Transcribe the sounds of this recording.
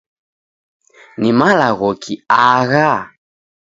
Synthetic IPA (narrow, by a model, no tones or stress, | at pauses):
nimalaɣɔkʰiaɣa